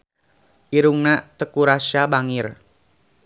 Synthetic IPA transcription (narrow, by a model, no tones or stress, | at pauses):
ʔiɾuŋnat̪əkuɾasabaŋɪr